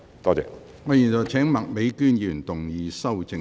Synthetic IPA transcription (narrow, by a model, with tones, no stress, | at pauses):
t̪ɔː˥t͡sɛ̰ː˨˧ | ŋɔː˨˧ji˨˩nt͡sɔ˨˩wt͡sʰɛː˨˥ŋmɐ˨k̚me˨˧jkyː˥njyː˨˩nt̪ʊ˨ŋjiː˨˧sɐ˥wt͡sɪ˧